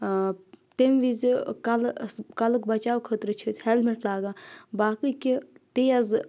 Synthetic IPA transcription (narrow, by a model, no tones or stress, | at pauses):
t̪emʋizikɐlkɐlɨkbɐt͡ʃaːwkʰət̪ɾɨt͡ʃʰət͡sʲhɛlmeʈlaːɡaːbaːkɨkit̪ejɐz